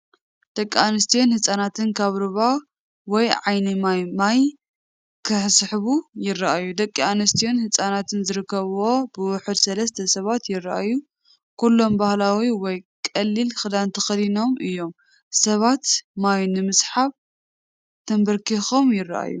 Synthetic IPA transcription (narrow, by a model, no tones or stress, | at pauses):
d̪̥ɐkʼːianɨst̪ʰijonhɨsʼanat̪ʰɨnkʰaβɾɨβa | wɔjʕajnimamaj | kʰɨħsħβujɪrːaʔajud̪ɐkʼːianɐst̪ʰijonhɨsʼanat̪ʰɨnzɨɾɨkːɐβwo̞bɨwʊħɨd̪sɐlɐst̪ʰɐsɐβat̪jɪrːaʔa̰ju | kulːo̞mbahlawiwɔjkʼɐlːilxɨd̪ant̪ʰɐxɐlino̞mʔɨjːo̞m | sɐβat̪majnɨmɨsħaβ | t̪ʰɐmbɐɾkʰixo̞mjɪrːa̰ʔa̰jːṵ